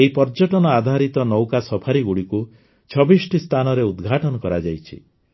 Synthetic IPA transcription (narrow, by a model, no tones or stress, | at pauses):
eipɔɾd͡ʒɔʈɔnɔad̪ʱaɾit̪ɔnɔwkasɔpʰaɾiɡuɽiku | t͡ʃʰɔbisʈist̪ʰanɔɾeud̪ɡʱaʈɔnɔkɔɾad͡ʒajt͡ʃʰḭ